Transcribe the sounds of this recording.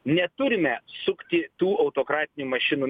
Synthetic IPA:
nʲɛt̪ʊɾʲɪmʲɛsʊkt̪ʲɪt̪uːʔɐʊt̪oːkɾɑːt̪ʲɪnʲuːmɐʃʲɪnuː

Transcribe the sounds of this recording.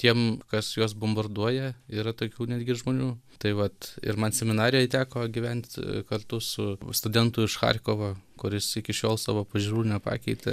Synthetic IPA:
t̪ʲiɛmkɐsjoːs̬bombɐrd̪uɔjɛiːɾɐt̪oːkʲuːnʲæːd̪ʲɡʲɪʒmoːnʲuːt̪ɐɪʋɐt̪ɪ̰ɾmɐnsʲɛmʲɪnɑːɾʲɪjɛt̪ʲæːkoːɡʲiʋʲɛnʲt̪ʲkɐrt̪ʊsʊst̪ʊd̪ʲɛnt̪ʊɪʃxɑ̰rʲkoʋoːkʊɾʲɪsɪkʲɪʃʲoːlˠsɑ̰ːʋoːpɐʒʲuɾuːnʲɛpɑ̰ːkʲɛɪt̪ʲɛ

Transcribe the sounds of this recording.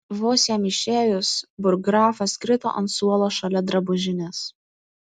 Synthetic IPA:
ʋoːsʲɛmʲɪʃʲeːjʊsbʊɾɡɾɑːfɐskɾʲɪt̪o̰ːʔɐ̰nt̪suɔlˠoːʃɐlʲɛd̪ɾɐbʊʒʲɪnʲeːs

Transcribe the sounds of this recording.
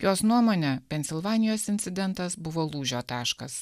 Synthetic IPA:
joːsnuɔmoːnʲɛpʲɛnʲsʲɪlˠʋɑːnʲɪjoːsɪnʲt̪ʲɪd̪ʲɛnt̪ɐsbʊʋoːlˠuːʒʲoːt̪ɑːʃkɐs

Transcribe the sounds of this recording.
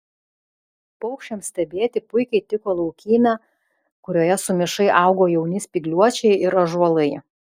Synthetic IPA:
pɔʊkʃʲt͡ʃʲɛmsʲt̪ʲɛbʲeːt̪ʲɪpʊɪkʲɛɪt̪ʲɪkoːlˠɒʊkʲiːnʲɑː | kʊɾʲoːjɛsʊmʲɪʃɐɪʔɑˑʊɡoːjɛʊnʲɪspʲiɡlʲuɔt͡ʃʲɛɪɪɾɐʒɔlˠɐɪ

